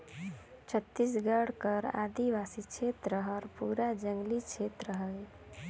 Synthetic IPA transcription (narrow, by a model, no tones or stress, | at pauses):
t͡ʃʰət̪ːis̬ɡəɽkəɾa̰d̪iʋasit͡ʃʰet̪ɾəɦəɾpuɾad͡ʒəŋɡlit͡ʃʰet̪ɾəɦəl